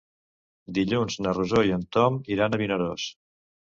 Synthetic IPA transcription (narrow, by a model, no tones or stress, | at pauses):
d̪iʎunznəruzoiənt̪ɔmiɾanəβinəɾos